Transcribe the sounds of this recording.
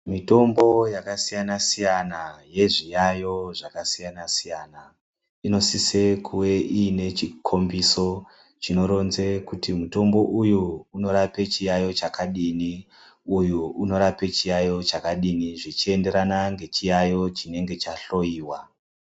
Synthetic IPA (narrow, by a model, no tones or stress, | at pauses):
mito̞mbo̞jakasijanasijanaje̞ʐijajo̞ʐakasijanasijana | ino̞sise̞kʰuwe̞ʔiːne̞t͡ʃikʰo̞mbiso̞ | t͡ʃino̞ɾo̞nze̞kutimuto̞mbo̞ʔujuːno̞ɾape̞t͡ʃijajo̞t͡ʃakaɗini | ujuuno̞ɾape̞t͡ʃijajo̞t͡ʃakaɗiniʐit͡ʃie̞nde̞ɾanaŋɡe̞t͡ʃijajo̞t͡ʃine̞ŋɡe̞t͡ʃaɬo̞jiːwa